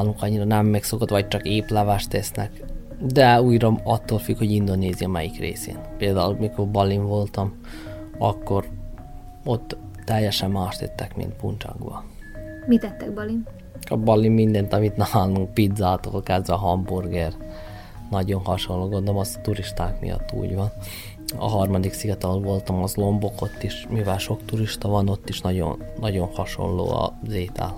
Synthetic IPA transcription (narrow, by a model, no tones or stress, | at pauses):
lːuŋkɒɲːiɾɒnɛmːɛkso̞ko̞t̪ʋɒc̚t͡ʃɒkeːplaːvaːʃt̪ɛsnɛ̰k | d̪ɛuːjɾɒɒt̪ːoːlfykho̞ɟind̪o̞neːzijɒmɛjikrḛːsḛːnpeːld̪aːulmikorbɒliɱvo̞lt̪ɒm | ɒ̰kːo̞ɾ | ot̪ː | ɛjːɛʃɛmːaːʃt̪ɛt̪ːɛkmḭnt̪̚pṵnt͡ʃɒ̰ɡbɒ̰ | mit̪ɛt̪ːɛɡ̚bɒlin | ɒbɒlimːind̪ɛnt̪ɒmit̪nɛmaːlnuŋk̚pid̪zaːt̪o̰ːlkɛzʋɛɦɒmburɡeːr | nɒɟonhɒʃonlːoːɡond̪olomɒst̪uɾiʃt̪aːkmḭjɒ̰t̪ːṵːɟʋɒn | ɒ̰ɦɒrmɒd̪iksiɡɒt̪ɛolvo̞lt̪ɒmɒzlo̞mbo̞ko̞t̪ːiʃmivɛlʃo̞kt̪uɾiʃt̪ɒvɒno̞t̪ːiʃnɒɟo̰nːɒɟo̞nhɒʃo̞̰lːo̰ːɒ̰zeːt̪ʰɛ̰l